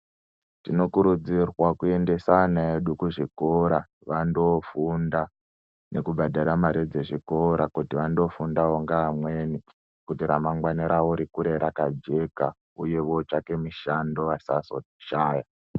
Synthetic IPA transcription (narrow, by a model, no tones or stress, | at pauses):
tino̞kuɾud͡zirwakue̞nde̞sanaeɗukuʐiko̞ɾa | ʋandofunda | ne̞kubʱadʱaɾamaɾid͡ze̞ʐiko̞ɾakutiʋando̞fundaoŋɡaːmwe̞ni | kutiɾamaŋɡwaniɾawoɾikuɾe̞ɾakad͡ʒe̞ka | uje̞ʋo̞t͡ʃake̞miʃando̞ʋasaso | ʃaːja